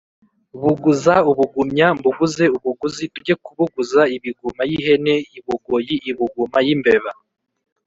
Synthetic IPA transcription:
uβuɡuzauβuɡumɲambuɡuze̞uβuɡuzibuɟekuβuɡuzaiβiɡumajiɦe̞ne̞jiβuɡojiʔiβuɡumajimbe̞βa

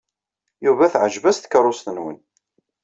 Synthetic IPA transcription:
juvæθʕəʒvæsθə̥krˤːʊst̪ənwə̰n

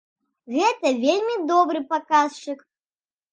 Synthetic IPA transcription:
ɣɛt̪ɐvʲelʲmʲid̪ɔbɾɨpakast͡ʃɨk

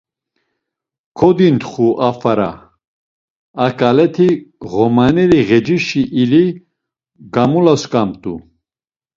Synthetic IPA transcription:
kʰɔd̪int̪χuʔafaɾa̰ | akʼalɛt̪ʰiʁɔmanɛɾiɣɛd͡ʒiʃiʔːli | ɡamulaskʼamt̪ʼu

